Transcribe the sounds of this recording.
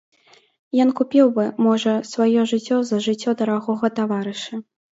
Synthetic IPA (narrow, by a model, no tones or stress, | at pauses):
jɔnkupʲiwbɨmɔʐɐsvajɔʐɨt͡sʲːɔzɐʐɨt͡sʲːɔd̪ɐɾaɣɔɣɐt̪avaɾɨʂɐ